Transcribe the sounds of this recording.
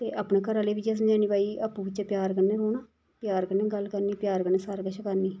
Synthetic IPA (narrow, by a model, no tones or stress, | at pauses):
t̪eːʔaːpnẽːkəɾaːleːʋit͡ʃeːs̬ə̃md͡ʒaːniːbaːiːaːpːũːʋɪt͡ʃepjaːɾkəɾneːɾoːnaː | pjaːɾkəɾneːɡəlkəɾniːpjaːɾkənẽːsaːɾkəʃakəɾniː